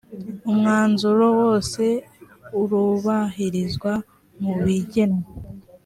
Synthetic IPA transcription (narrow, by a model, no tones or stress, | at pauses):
umŋaːnzuɾo̞wo̞ːse̞ | uɾuβaɦiɾizɡwa | muβiɟe̞no